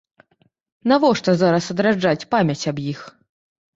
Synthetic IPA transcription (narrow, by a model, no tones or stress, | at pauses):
navɔʂt̪ɔzaɾɐsɐd̪ɾad͡ʐat͡sʲpamʲɐt͡sʲɐbjix